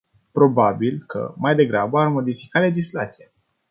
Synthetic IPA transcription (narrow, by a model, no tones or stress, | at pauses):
pɾo̞babilkə̰majd̪e̞ɡɾabəarmo̞d̪ifi̥kale̞d͡ʒislat̪sija